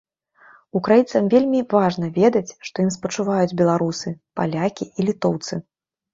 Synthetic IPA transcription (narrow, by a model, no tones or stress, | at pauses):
ukɾajint̪sɐmvʲelʲmʲivaʐnɐvʲɛd̪ɐt͡sʲʂt̪ɔjimspɐt͡ʂuvajud͡zʲbʲɛlˠaɾusɨpa̰lʲakʲiilʲit̪ɔwt̪sɨ